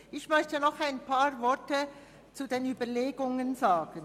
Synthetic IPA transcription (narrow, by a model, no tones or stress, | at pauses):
ʔɪçmœçtənɔχaɪnpʰaːʁvɔɐtə | t͡sudeːnyːbɐleːɡʊŋənzaːɡ̥ən